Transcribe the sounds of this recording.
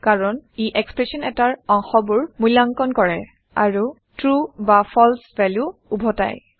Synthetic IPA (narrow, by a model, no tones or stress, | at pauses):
kaɹɔniʔɛkspɹesɔnɛtaɹɔŋxɔbuɹmujlaŋkɔnkɔɹɛ | a̰ɹu | tɹubapʰɔlsvɛljuːbʱɔta̰j